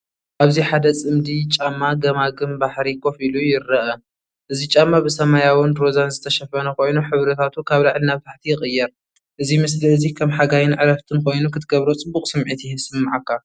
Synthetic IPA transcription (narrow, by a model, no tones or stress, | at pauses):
ʔaβziħad̪ɐt͡sʼɨmd̪it͡ʃʼamːaɡɐmaɡɨmbaħɾikʰo̞filujɪrːɐʔɐ | ʔɨzit͡ʃʼamːabɨsɐmajawɨnɾozanzɨt̪ʰɐʃɐfɐnɐkʰo̞jnuħɨβɾɐt̪ʰat̪ʰukʰaβlaʕlnaβɨt̪ʰaħt̪ʰijɪxʼɨjːɛɾ | ʔɨzimɨs̬liɨzikʰɐmħaɡajɪnʕɨɾɐft̪ʰɨnkʰo̞jnukʰɨt̪ʰɡɐβɾot͡sʼɨbːukʼsɨmʕit̪ʰisɨmːaʕakʰːa